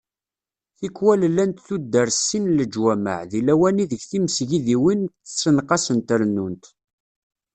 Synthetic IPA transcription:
θikːwællːænt̪θud̪ːəɾsːinləd͡ʒwæmə̰ʕðilæwæniðəʝθiməsʝiðiwinə̥t͡sːənqɑsənt̪əɾnːunt̪

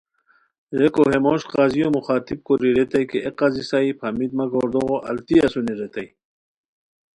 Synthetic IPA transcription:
ɾekoɦemoɕqaːzijomuχaːt̪ib̚koɾiɾet̪ajkeʔeqazisaipʰɐmid̪mɐɡoːɾd̪oɣoʔɐ̰lt̪iɐsuniɾet̪aj

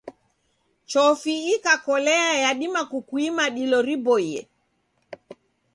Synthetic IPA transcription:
t͡ʃɔfiːkakɔlɛjajaɗimakukwimaɗilɔɾibɔjɛ̰

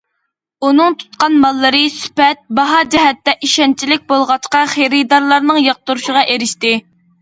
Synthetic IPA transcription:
unɨŋt̪ʰu̥t̪qɑnmɑlˠːɨɾɨsy̥pɛt̪̚bɑɦɑd͡ʒɛɦɛt̪ːɛʔiʃɛnt͡ʃʰilɪk̚ʲbolˠʁɑt͡ʃqɑχeɾɪd̪ɑɾlˠɑɾnɨŋjɑq̚t̪uɾuʃəʁɑʔeɾɪʃt̪ɪ

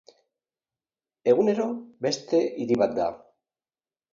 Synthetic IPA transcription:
e̞ɣune̞ɾo̞be̞st̪e̞ʔiðiβat̪̚d̪a̰

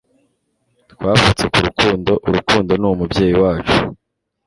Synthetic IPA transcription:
tkwaːfat͡se̞kuɾukuːndo̞ʔuɾukuːndo̞numubɟje̞ːjiwaːt͡ʃu̥

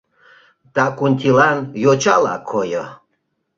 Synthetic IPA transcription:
t̪akunʲt̪ʲilanjot͡ʃala̰kʰojə

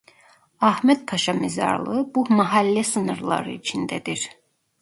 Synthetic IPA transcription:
ɑhmed̪̥̚pʰɑʃɑmizɑ̰ɾlˠɯbumæɦælːæsɯnɯɾlˠɑ̰ɾɯ̰it͡ʃʰind̪æd̪iɾ

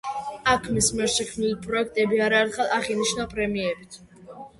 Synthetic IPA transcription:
akʰmismiɛɾʃɛkʰmnilipʼɾɔɛk̚ʰt̪ʼɛbiaɾaɛɾt̪χɛlˠaχiniʃnapʼɾɛmiɛbit̪ʰ

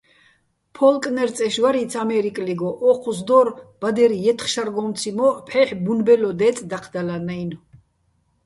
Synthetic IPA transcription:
pʰɔlkʼnɛɾt̪t͡s̪ʼɛʃvaɾit̪sʰamɛɾikʼliɡɔʔɔqʰusd̪ɔɾb̥ad̪ɛɾijɛt̪ʰχʃaɾɡɔnt̪t͡s̪ʰimɔpʰɛħbunbɛlɔd̪ɛt͡s̪ʼd̪aqʰd̪alanajn

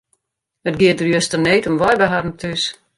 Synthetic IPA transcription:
ətɡɪədərjøstərneːtəmʋɔjbəɦadn̩tʰys

